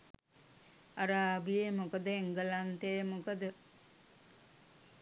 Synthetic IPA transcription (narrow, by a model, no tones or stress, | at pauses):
aɾaːbijemukəd̪əeŋɡəlant̪ejəmukəd̪ə